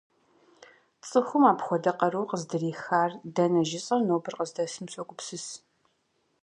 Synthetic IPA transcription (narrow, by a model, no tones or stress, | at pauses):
t͡sʼɨxʷʊmaːpxʷɔdɐqɐɾuwqəzdɨriːxaːrdɐnɐʒɪsʼɐrnoːwbɨrqəzdɐsɨmɕʷʼɐkʷʼʊpsɨs